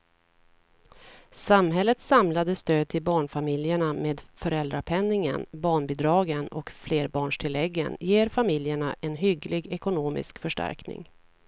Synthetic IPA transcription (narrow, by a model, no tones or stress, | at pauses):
samɦɛlːət̪samlad̪əst̪øːd̪̚t̪ʰɪlbɑːɳfamɪljəɳameːd̪fœɾɛld̪ɾapʰɛnːɪŋə̰nbɑːɳbiːd̪ɾɑːɡənɔ̰kfleːɾbɑːɳʂʈʰɪlɛɡːə̰njeːɾfamɪljəɳaʔɛnɦʏɡlɪɡɛkʊnoːmɪ̰skfœʂʈæ̰ɾknɪ̰ŋ